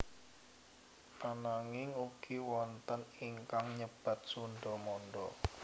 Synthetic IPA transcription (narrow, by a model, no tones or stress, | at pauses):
anaŋɪŋuɡ̥iwɔnt̪əniŋkaŋɲəb̥a̤t̪̚sunɖɔmɔnɖɔ